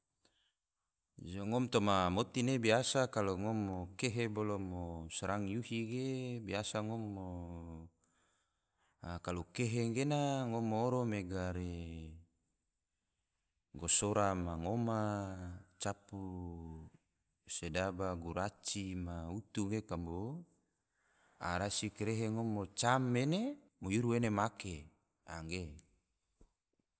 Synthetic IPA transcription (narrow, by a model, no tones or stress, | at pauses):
d͡ʒoŋomt̪omamot̪inebiasakaloŋomːokeɦebolomosaɾaŋjuhiɡebiasaŋomːo | kalokeɦeŋɡenaŋomːoːɾomeɡaɾe | ɡosoɾamaŋoma | t͡ʃapu | sedabaɡuɾat͡ʃimaut̪uɡekambo | a̰ɾasikeɾeɦeŋomot͡ʃamːene | mojuɾuenemake | a̰ŋɡe